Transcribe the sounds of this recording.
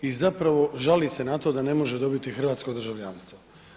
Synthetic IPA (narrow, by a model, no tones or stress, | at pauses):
izapɾaʋo̞ʒalise̞nat̪o̞d̪ane̞mo̞ʒed̪o̞bit̪ixr̩ʋaːt̪sko̞d̪r̩ʒaʋʎʲanst̪ʋo